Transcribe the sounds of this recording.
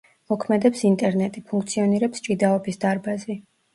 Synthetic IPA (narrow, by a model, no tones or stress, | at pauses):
mɔkʰmɛd̪ɛpsint̪ʼɛɾnɛt̪ʼipʰuŋkʰt̪sʰiɔniɾɛpst͡ʃʼid̪aɔbisd̪aɾbazɛ